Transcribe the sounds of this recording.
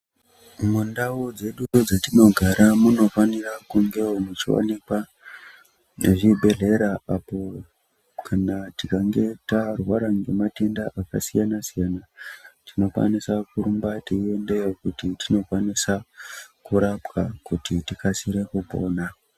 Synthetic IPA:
mundaud͡ze̞ɗud͡zatino̞ɡʱaɾamuno̞fanirakuŋɡe̞omut͡ʃḭwa̰nikwa | eʐibʱe̞ɮe̞ɾaapo̞ | kʰanatikaŋɡe̞tarwaɾaŋɡemate̞ndaʔaka̰sijanasijanatino̞kwa̰nisakuɾumbatiende̞jokutitʰino̞kwanisakuɾapkakutʰitikasiɾe̞kubo̞̰ːna

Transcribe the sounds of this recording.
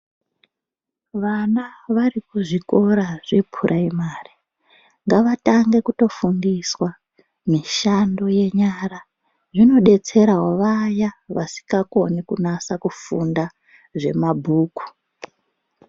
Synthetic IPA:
ʋanaʋarikuʐiko̞ɾaʐipʰurʔaimaːri | ŋɡaʋataŋɡe̞kuto̞fundiswa | miʃando̞je̞ɲaɾa | ʐino̞ɗe̞t͡se̞ɾaɦoʋajaʋasi̥kako̞nikunasakufunda | ʐe̞mabʱuːku̥

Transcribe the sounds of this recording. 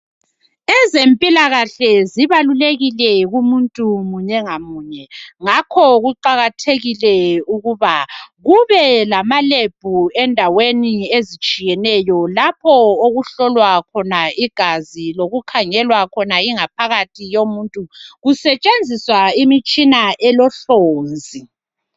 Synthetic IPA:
ɛzempʼilaɣaɬɛziβaluleɣilɛɣumuntʼumuɲɛŋamuːɲɛŋakʰɔɣuǃaɣatʰeɣilɛuɣuβaɣuβɛlamaleb̥ʱuɛndʱaweniezit͡ʃʼijɛnɛjɔlapʰɔoɣuɬɔlwakʰɔnaiɡ̥ʱaziloɣukʰaŋɛlwakʰɔnaiŋap̚ʰaɣatʰijomuntʼuɣusɛt͡ʃʼend͡zʱiswaimit͡ʃʼinaʔɛlɔɬoːnd͡zʱi

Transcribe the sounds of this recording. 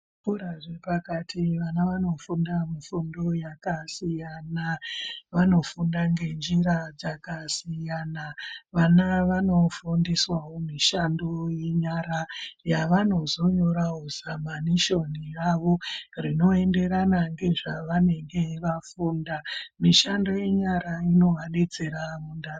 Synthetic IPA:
puɾaʐepakatʰiʋanaʋano̞fundamifundo̞jakasijanaʋano̞fundaŋɡe̞nd͡ʒiɾad͡zakasijanaʋanaʋano̞fundiswawomiʃandoje̞ɲaɾajaʋano̞zo̞ɲo̞ɾaɦuzamaniʃo̞niraʋo̞rino̞e̞nde̞ɾanaŋɡe̞ʐaʋane̞ŋɡe̞ʋafuːndamiʃando̞je̞ɲaɾaino̞ɦaned͡ze̞ɾamundar

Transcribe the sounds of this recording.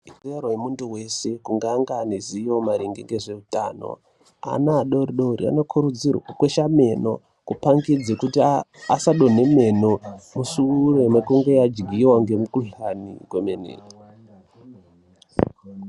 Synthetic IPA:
ikerojemunduwe̞se̞kuŋɡaŋɡaniziomaɾiŋɡeŋɡe̞ʐe̞uta̰ːno̰ | a̰naɗo̞riɗo̞ɾḭa̰nokʰuɾud͡zirwa̰kukweʃame̞no̞̰ | kupaŋɡid͡zekutiasaɗo̞ne̞me̞nomusuɾomwekuŋɡejad͡ʒɡʱiwaŋɡe̞mukuɬanḭkwemenḛːri

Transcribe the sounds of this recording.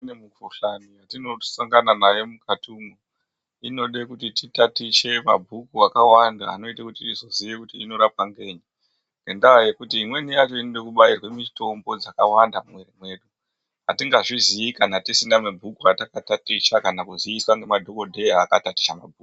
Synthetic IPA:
nemukuɬanijatino̞saŋɡananajemukatʰuːmo | ino̞ɗekutititatiʃe̞ma̰bʱukuakawanda̰ːno̞itakutiizo̞ziʋekutiːno̞ɾapaŋɡe̞ɲi | ŋɡendaje̞kutiːmwe̞nijat͡ʃo̞iniɗekuɓairwe̞mito̞mbo̞d͡zakawandamwerimwe̞ɗu | ɦatiŋɡaʐiziikanatisindamebʱukuatakatatiʃakanakuziiswaŋɡe̞madʱo̞ko̞dʱeaːkatati̥ʃama̰bʱuːk

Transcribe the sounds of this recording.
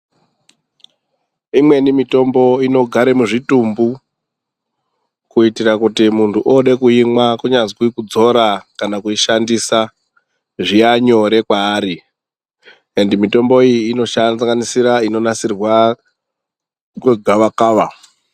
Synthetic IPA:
imwe̞nimito̞mbo̞ino̞ɡʱaɾemuʐitumbu | kuitirakutimuntʰuʔoɗe̞kuimwakuɲad͡zkikud͡zo̞ɾakanakuiʃandisa | ʐiaɲo̞ɾe̞kwaːɾi | endimito̞mbo̞ijiːno̞ʃaaŋɡanisiɾaino̞nasirwa | kweɡʱaʋakaːʋa

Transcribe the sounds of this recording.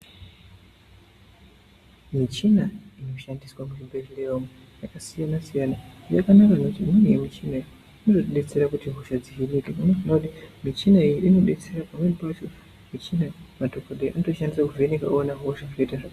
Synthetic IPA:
mit͡ʃinaino̞ʃandiswamuʒibʱerileramwe | jakasijanasijanajakanakanotiminijemit͡ʃinai | inotoɗe̞t͡se̞ɾakutiɦuʃad͡ziɦinikemaneʐinakutimit͡ʃinaijiʔino̞ɗe̞t͡se̞rapameripat͡ʃo̞ | mit͡ʃinamatokoɗeʔanotoʃandisakuvenekaonaɦoʃaʐeitaʐak

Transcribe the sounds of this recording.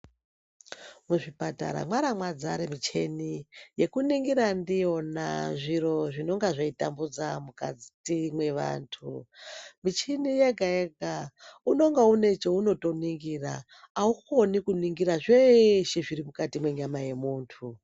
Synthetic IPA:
muʐipata̰ɾa̰mwaɾamwad͡zaɾemit͡ʃe̞nije̞kuniŋɡiɾandio̞na̰ʐiro̞ʐino̞ŋɡaʐaita̰mbud͡zamuka̰d͡zitimwe̞ʋa̰ːntʰumit͡ʃinije̞ɡʱajeɡʱauno̞ŋɡaune̞t͡ʃouno̞to̞niŋɡiːra̰ː | uxo̞nikuniŋɡiɾaʐeʃiʐiɾimukatimwe̞ɲamaje̞muːntʰu

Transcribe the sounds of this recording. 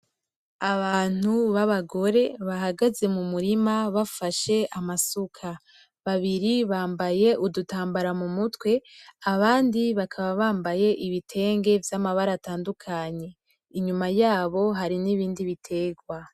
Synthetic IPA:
aβaːn̥uβaβaɡo̞ɾe̞βaɦaɡaze̞mumuɾimaβafaʃe̞ʔamasukʰa | βaβiɾiβaːmbaje̞ʔudutaːmbaɾamumutwe̞aβaːndiβakʰaβaβaːmbaje̞ʔiβitʰe̞ːŋɡe̞vjamaβaɾataːndukʰaɲe̞ | iɲumajaːβo̞ɦaɾiniβiːndiβitʰe̞ːɡwa

